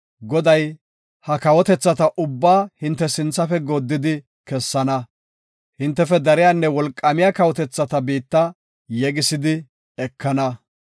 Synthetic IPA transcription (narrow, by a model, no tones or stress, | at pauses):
ɡɔd̪ɐj | hɐkɐwɔt̪ɛt͡sːɐt̪ɐʔʊbːaːhɪnt̪ːɛsɪnt͡sːɐfɛɡod̪ːɪd̪ɪ | kɛsːɐnɐ | hɪnt̪ːɛfɛd̪ɐɾɪjanːɛwɔlkʼːɐmɪjakɐwɔt̪ɛt͡sːɐt̪ɐbiːt̪ːɐ | jɛɡɪsɪd̪ɪ | ɛkːɐnɐ